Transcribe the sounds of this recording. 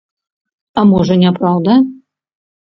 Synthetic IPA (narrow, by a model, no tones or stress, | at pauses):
ɐmɔʐɐnʲɛpɾawd̪ɐ